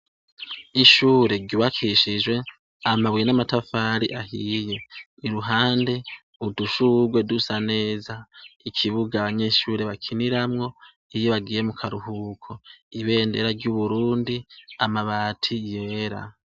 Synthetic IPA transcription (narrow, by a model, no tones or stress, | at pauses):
iʃuːɾe̞ɟuβakʰiʃid͡ʒwe̞ | amaβwijenamatafaːɾiʔahiːje̞ | iɾuɦaːnde̞ | uduʃuɡwe̞dusane̞ːzaikʰiβuɡaːβaɲe̞ːʃuːɾe̞βakʰiniɾamŋo̞ | ijiβaɡiːje̞mukʰaɾuɦuːkʰo̞iβe̞ːndeɾaɾɟuβuɾuːndiamaβaːtʰije̞ːɾa̰